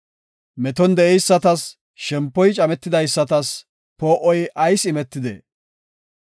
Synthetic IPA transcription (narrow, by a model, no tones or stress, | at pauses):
mɛt̪ɔnd̪ɛʔɛjsːɐt̪ɐs | ʃɛmpːɔjt͡ʃʼɐmɛt̪ːɪd̪ɐjsːɐt̪ɐs | poːʔɔjʔɐjsɪmɛt̪ːɪd̪ɛ̰